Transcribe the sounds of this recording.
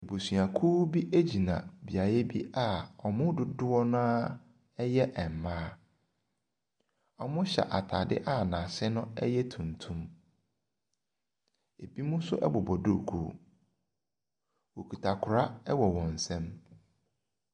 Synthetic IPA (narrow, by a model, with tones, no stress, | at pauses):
e˨bo˨sɥa˨kʰuː˦bi˦ʔe˦d͡ʑi˨nã̰˨bi˨a˨ɾɛ˦bi˦ʔa˦˨ɔ˨mʊ̃˦dʊ˨dʊ˦wɔ˦nãː˦ | ɛ˦jɛ˦ʔɛ˨m˨mãː˦ | ɔ˨mʊ̃˦ɕɛ̰˨ʔa˨tʰa̰˨dɪ̰˦ʔa˦nã˨sɪ˦nʊ̃˦ɛ̰˦jɛ˦tʰũ˨ntʰũ˦m | e˨bi˦mũ˦sʊ̰˦ʔɛ˦bɔ˨bɔ˨dʊ˦˨kʰṵ˨ | wo˨kʰu˨tʰa˨kʰʊ˨ɾa˦ɛ˦wɔ˨wɔ̃˨n˨sɛ̃˦m